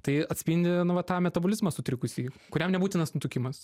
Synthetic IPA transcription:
t̪ɐɪɐt̪ʲsʲpʲɪnʲd̪ʲɪnʊʋɐt̪ɑːmʲɛt̪ɐbʊlʲɪzmɐsʊt̪ʲɾʲɪkʊsʲiːkʊɾʲɛmnʲɛbuːt̪ʲɪnɐsnʊt̪ʊkʲɪmɐs

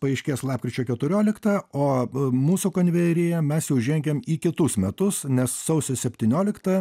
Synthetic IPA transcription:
pɐɐɪʃʲkʲeːslˠɑːp̚kɾʲɪt͡ʃʲoːkʲɛt̪ʊɾʲoːlʲɪkt̪ɐoːmuːsukoːnʲʋʲɛɾʲejɛmʲɛsjɛʊʒʲɛŋʲɡʲemiːkʲɪt̪ʊsmʲɛt̪ʊsnʲɛssɐʊsʲosʲɛpʲt̪ʲiːnʲoːlʲɪkt̪ɐ

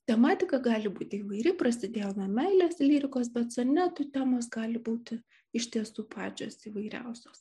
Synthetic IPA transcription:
t̪ʲɛmɑːt̪ʲɪkɐɡɑːlʲɪbuːt̪ʲɪiːʋɐɪɾʲɪprɐsʲɪd̪ʲeːjoːnɐmʲɛɪlʲeːslʲiːɾʲɪkoːsbʲɛt̪sonʲɛt̪uːt̪ʲæːmoːsɡɑːlʲɪbuːt̪ʲɪ | ɪʃʲt̪ʲiɛsuːpɑːd͡ʒʲoːsiːʋɐɪɾʲɛ̰ʊsʲoːs

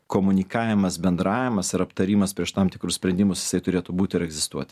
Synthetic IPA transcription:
koːmʊnʲɪkɑːʋʲɪmɐsbʲɛnd̪ɾɑːʋʲɪmɐsɪɾɐpt̪ɐɾʲiːmɐspʲiɛʃt̪ɑːmt̪ʲɪkɾʊsʲpʲɾʲɛnʲd̪ʲɪmʊsjɪ̥sɐɪt̪ʊɾʲeːt̪ʊbuːt̪ʲɪɪɾɛɡzʲɪst̪uɔt̪ʲɪ

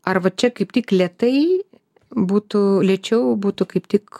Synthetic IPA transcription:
ɐrʋɐt͡ʃʲɛkɐɪpt̪ʲiːklʲɛt̪ɐɪ | buːt̪ʊlʲɛːt͡ʃʲɛʊbuːt̪ʊkɐɪpt̪ʲiːk

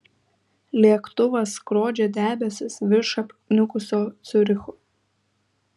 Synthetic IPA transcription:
lʲiɛkt̪ʊʋɐskɾoːd͡ʒʲɛd̪ʲæːbʲɛsʲɪsʋʲɪʃɐpʲnʲʊkʊsʲoːt̪sʲʊɾʲɪxʊ

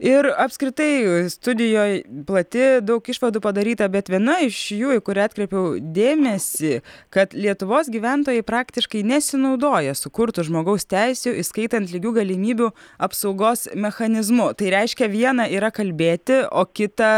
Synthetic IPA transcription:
ɪɾɐpʲskɾʲɪt̪ɐɪst̪ʊd̪ʲɪjoːjplˠɐt̪ʲɪd̪ɐʊkɪʃʋɐd̪uːpɐd̪ɐɾʲiːt̪ɐbʲɛt̪ʋʲiɛnɐɪʃjuːɪkʊɾʲɪɑːt̪ʲkɾʲɛpʲɛʊd̪ʲeːmʲɛsʲiːkɐt̪lʲiɛt̪ʊʋoːsɡʲiːʋʲænt̪oːjɛɪpɾɑːkt̪ʲɪʃkɐɪnʲɛsʲɪnɐʊd̪oːjɛsʊkʊɾt̪ʊʒmoːɡɐʊst̪ʲɛɪsʲuʔɪskɐɪt̪ɐnt̪lʲɪɡʲuːɡɐlʲɪmʲiːbʲuɐpsɐʊɡoːsmʲɛxɐnʲɪzmʊt̪ɐɪɾʲɛɪʃʲkʲɛʋʲiɛnɐiːɾɐkɐlʲbʲeːt̪ʲɪoːkʲɪt̪ɐ

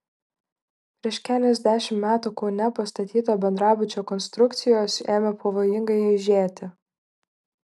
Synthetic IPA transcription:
pʲɾʲiɛʃkʲæːlʲɛzʲd̪ʲæːʃʲɪmmʲæːt̪ukɔːnʲɛpɐst̪ɐt̪ʲiːt̪oːbʲɛnd̪ɾɑːbʊt͡ʃʲoːkɔnst̪ɾʊkt̪sʲɪjoːseːmʲɛpʰɐʋoːjɪŋɡɐɪɪʒʲeːt̪ʲɪ

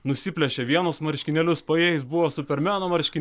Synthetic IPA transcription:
nʊsʲɪpʲlʲɛʃʲeːʋʲiɛnosmɐɾʲʃʲkʲɪnʲɛlʲʊspɐjeːɪsbʊʋoːsʊpʲɛɾʲmʲæːnoːmɐɾʲʃʲkʲɪ

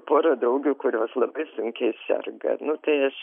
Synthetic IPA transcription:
poːɾɐd̪ɾɐʊɡʲuːkʊɾʲoːslˠɐbɐɪsʊŋʲkʲɛɪsʲɛ̰rɡɐ̰nʊt̪ɐɪɐʃ

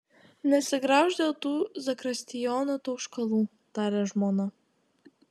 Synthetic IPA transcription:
nʲɛsʲɪɡɾɑːʒd̪ʲɐt̪uːzɐkɾɐsʲt̪ʲɪjɔːnɐt̪uʃkɐlˠuː | t̪ɑːɾʲɛʒmɔːnɐ

